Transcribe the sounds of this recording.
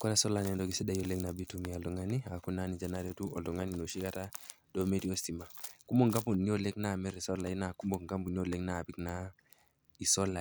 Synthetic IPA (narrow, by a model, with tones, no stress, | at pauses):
kɔ˦ɾa˦so˦la˨nɛ˦ndo˦ki˨si˦da˦jo˨le˦kna˨bi˦tu˦mi˨a˨ldu˨ŋa˦ni˦a˨ku˦na˦ni˨d͡ʒa˨na˦ɾo˦tu˦ɔ˨ldɔ˨ŋa˦ni˨no˨ʃi˦ka˦ta˦ | d̥o˦me˦ti˦o˦sti˨ma˨ku˦mbo˨ŋɡa˦mu˨nːi˦o˨le˦kna˦˨mɛ˦ɾi˨so˦la˨i˦na˨ku˦mbo˨ŋɡa˦mbu˨ni˦o˨le˦kna˨bi˦kna˦ | i˨sɔ˦lːa˨